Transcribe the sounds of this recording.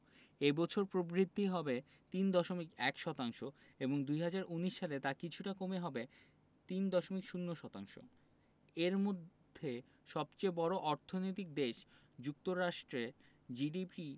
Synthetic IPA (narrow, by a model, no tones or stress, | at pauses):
ebɔt͡ɕʰoɾpɾobɾid̪ʱːiɦɔbe | t̪ind̪ɔʃomikɛkʃɔt̪aŋʃo | eboŋd̪ujɦad͡ʑaɾʔuniʃːalet̪akit͡ɕʰuʈakomeɦɔbe | t̪ind̪ɔʃomikʃunːoʃɔt̪aŋʃo̰ | eɾmod̪ʱːe | ʃɔb̚t͡ɕejbɔɾoʔɔɾt̪ʰonojt̪̬ik̚d̪eʃ | d͡ʑuk̚t̪oɾaʃʈɾe | d͡ʑiɖipi